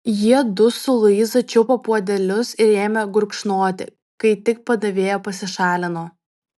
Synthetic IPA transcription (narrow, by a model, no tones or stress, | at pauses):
jiɛd̪ʊsʊlˠɐɪzɐt͡ʃʲʊpɐpuɔd̪ʲɛlʲʊsɪɾeːmʲɛɡʊɾkʃnoɔt̪ʲɪ̰ | kɐɪt̪ʲɪk̚pɐd̪ɐʋʲeːjoːpɐsʲɪʃɑːlʲɪnoː